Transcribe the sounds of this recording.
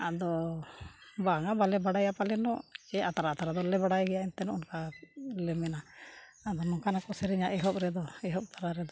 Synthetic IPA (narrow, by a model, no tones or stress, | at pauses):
a̰d̪ɔ | baŋabalɛbaɽajapalɛnɔʔɛat̪aɾaːt̪aɾad̪ɔlɛbaɽajɡɛjaint̪ɛnɔunkalɛmɛna | ad̪ɔnɔkanakɔsɛɾɛɲaʔɛɦɔp̚ɾɛd̪ɔɛɦɔp̚t̪ʰaɾaɾɛd̪ɔ